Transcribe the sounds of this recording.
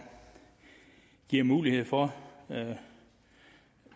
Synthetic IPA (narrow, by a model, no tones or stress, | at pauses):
ɡ̥iɐ̰muːlihe̝ð̞̰ˠfɒ